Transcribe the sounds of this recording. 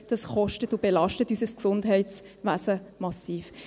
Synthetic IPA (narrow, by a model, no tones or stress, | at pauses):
d̥ɑsχɔʃtətʊb̥elɑʃtətysəsksʊndɦɛɪtt͡s | ʋæːsəmɑsiːf